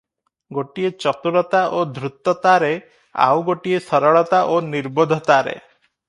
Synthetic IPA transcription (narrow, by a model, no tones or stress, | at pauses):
ɡoʈiet͡ʃɔt̪uɽɔt̪aʔod̪ʱɾut̪ːɔt̪aɾe | a̰wɡoʈiesɔɾɔɭɔt̪aʔoniɾbɔd̪ʱɔt̪aɾḛ